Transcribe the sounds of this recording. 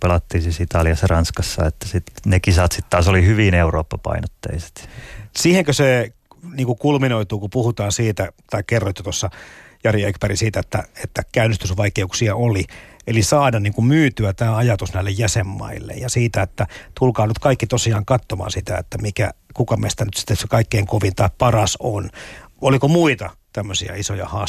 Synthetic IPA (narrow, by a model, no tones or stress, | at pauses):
pelɑt̪ːiːsiːsit̪ɑliɑsɑrɑnskɑsːɑet̪ːæsit̪nekisɑt̪sit̪t̪ɑːsolihyʋineuroːpːɑpɑ̰inot̪ːḛise̥t̪siːheŋkøse | niːŋkukulminoit̪uːkupuhut̪ɑːnsiːt̪æt̪ɑikkerːoit̪ːot̪osːɑjɑrjiekpærisiːt̪æet̪ːæ̰et̪ːækæynːest̪ysʋɑikeuksiɑʔoliʔelisɑːdɑnniːŋkummyːt̪yæt̪æːɑjɑt̪usnæilːejjæsemːɑ̰ilːḛjjɑsiːt̪æet̪ːæt̪ulkɑːnyt̪kɑikːit̪osiɑːŋkɑt̪ːomɑ̰ːnsit̪æ̰et̪ːæmikæ̰kukɑmest̪ænyt̪si̥t̪ːessekɑikːeiŋkoʋint̪ɑippɑrɑsonolikomuit̪ɑt̪æmːøsiɑ̰isojɑ̰hɑː